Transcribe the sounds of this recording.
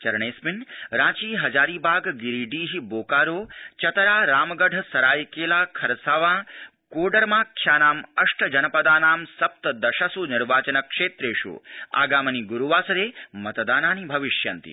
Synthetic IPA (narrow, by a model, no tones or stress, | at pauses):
t͡ʃɐɾɳeːsminɾãːt͡ʃiːɦɐd͡ʒaːɾiːbaːɡɡiɾiɖiːɦiboːkaːɾoːt͡ʃɐt̪ɐɾaːɾaːmɡɐɖʱsɐɾaːjkeːlaːkʰɐɾsaːʋãː | koːɖɐɾmãːkʰjaːnaːmɐʂʈʰɐd͡ʒɐnɐpɐd̪aːnaːmsɐp̚t̪ɐd̪ɐʃɐsunɪɾʋaːt͡ʃɐnɐkʂeːt̪ɾeːʃṵa̰ːɡaːmɐniɡuɾuʋaːsɐɾeːmɐt̪d̪aːnaːnibʱɐʋiʃjɐnt̪ḭ